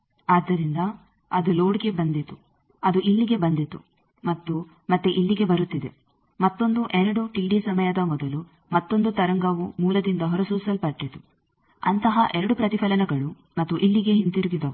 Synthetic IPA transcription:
aːd̪ːɐɾind̪ɐ | ɐd̪uloːɽiɡe̞bɐnd̪it̪u | ɐd̪uʔilːiɡe̞bɐnd̪it̪ṵ | mɐt̪ːu | mɐt̪ːuʔilːiɡe̞bɐɾut̪ːid̪e | mɐt̪ːo̞nd̪uʔɛɾɐɽuʈilːisɐmɐjɐd̪ɐmɔd̪ɐlu | mɐt̪ːo̞nd̪ut̪ɐɾɐŋɡɐʋumuːlɐd̪ind̪ɐɦɔɾɐsuːsɐlpɐɾʈːit̪u | ɐnt̪ɐɦɐʔɛɾɐɽupɾɐt̪ipʰɐlɐnɐɡɐɭu | mɐt̪ːuʔilːiɡe̞ɦint̪iɾuɡid̪ɐʋu

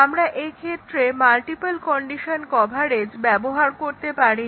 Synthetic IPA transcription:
amɾaʔekʰet̪ːɾemalʈipalkɔɳɖiʃonkɔbʱaɾed͡ʑbɛboɦaɾkoɾt̪epaɾi

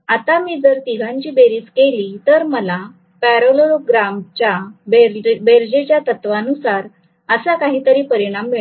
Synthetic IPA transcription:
at̪amiːd͡zəɾt̪iɡʱãɲt͡ɕiːbeɾiːt͡skelit̪əɾməla | pæɾolooɡɾamt͡ɕjabbeɾd͡ʑet͡ɕjat̪ət̪ʋanusaɾ | əsakaɦiːt̪əɾiːpəɾiɽ̃amːeɭ

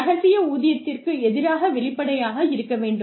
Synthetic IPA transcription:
ɐɣɐsɪjɐuːðɪjɐt̪ːɪrkɯɛðɪɾaːɣɐʋɛɭɪpːɐɽɐjaːɣɐɪɾɯkːɐʋeːɳɖɯ

